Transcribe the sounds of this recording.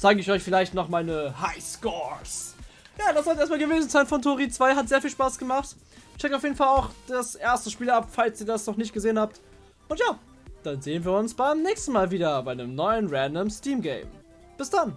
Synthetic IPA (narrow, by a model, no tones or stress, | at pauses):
z̥aːɡəɪçɔʏçfɪlaɪçtnɔχmaɪnəhaɪskɔs | jaːdasv̥aɪseːɐstmaːlɡəveːzn̩t͡saɪnfɔntʰoːʁiːt͡sv̥aɪɦatzeːɐfiːlʃpaːsɡ̥əmaχt | ʃt͡ʃʰɛkaʊfjeːdn̩falaʊxd̥asʔeːɐstəʃpiːlapfalsiːɐdasnɔχnɪçtɡ̥əzeːənhaːp̚t | ʔʊntjaː | d̥anzeːənviːɐʊnsb̥aɪmnɛːçstn̩maːlviːdɐbaɪnəmnɔʏənʁɛndəmstiːmɡḛɪm | b̥ɪsd̥an